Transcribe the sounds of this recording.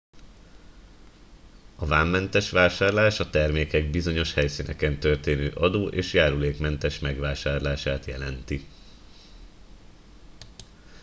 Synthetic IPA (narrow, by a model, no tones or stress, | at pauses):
ɒvaːmːɛnt̪ɛʃʋaːʃaːrlaːʃɒt̪ɛrmeːkɛɡ̚bizo̞ɲo̞ʃhɛjsinɛkɛnt̪ø̞rt̪eːnøːʔɒd̪oːʔeːʃjaːɾuleːkmɛnt̪ɛʃmɛɡʋaːʃaːrlaːʃaːt̪jɛ̰lɛnt̪i